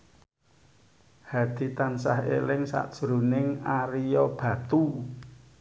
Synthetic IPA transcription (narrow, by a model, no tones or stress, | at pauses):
had̪̥i̤t̪ansa̰hḛlɪŋsa̰ʔd̥ʒ̥ɾṳnɪŋaɾijɔb̥ä̤t̪u